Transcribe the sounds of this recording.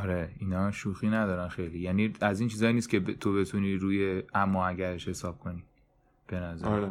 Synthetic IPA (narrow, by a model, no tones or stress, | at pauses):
ɒɾeiːnɒːʃuːxiːnæd̪ɒːɾænxe̞jliːjæːniːæzint͡ʃʰiːzɒːjiːniːst̪̚cʰʲe̞t̪ʰo̞be̞t̪ʰuniːɾuːje̞æmːɒːæɟæɾeʃhe̞sɒːb̥̚kʰo̞niː | b̥e̞næzæɾɾe